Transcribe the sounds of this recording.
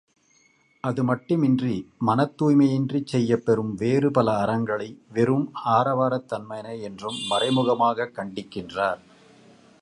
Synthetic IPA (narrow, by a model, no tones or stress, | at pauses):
ʔɐðɯmɐʈːɯmɪndrimɐnɐt̪ːuːjmɐjɪndrit͡ʃsɛjːɐpːɛɾɯmʋeːrɯpɐlɐːɾɐŋɡɐɭɐɪʋɛɾɯmaːɾɐʋaːɾɐt̪ːɐnmɐjɐnɐɛndrɯmːɐrɐɪmɯɣɐmaːɣɐkːɐɳɖɪkːɪndraːɾ